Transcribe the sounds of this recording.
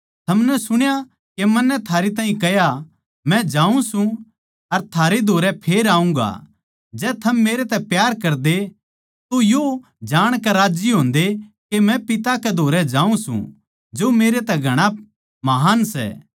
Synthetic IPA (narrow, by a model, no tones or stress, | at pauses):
t̪ʰɐmnɛsʊɽ̃ja | kemɐnːɛt̪ʰaːɾit̪̬aːɦĩkɐja | mɛ̃d͡ʒãːũsũ | ɐɾt̪ʰaːɾed̪ʱoːɾɛpʰeːɾaːũŋɡa̰ | d͡ʒɛːt̪ʰɐmːeːɾet̪ɛpjaːɾkɐɾd̪e | t̪ojo | d͡ʒaːɽ̃kɛɾaːd͡ʒiɦõːnd̪ekemɛ̃pɪt̪akɛd̪ʱoːɾɛd͡ʒãːũsṵ̃ | d͡ʒomeːɾet̪ɛɡʱɐɽ̃a | mɐɦaːnsɛ̰ː